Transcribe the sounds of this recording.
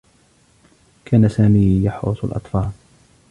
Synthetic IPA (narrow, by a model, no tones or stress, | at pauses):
kʰaːnasaːmiːjɑħʊ̰sˤa̰lʔɑ̰t̪ˤfɑːl